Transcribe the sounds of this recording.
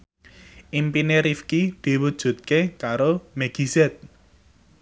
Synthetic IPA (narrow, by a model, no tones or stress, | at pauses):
ʔimpineɾifkid̪̥i̤wud̥ʒ̥ṳt̪̚kekaɾomɛɡ̥i̤zɛt̪̚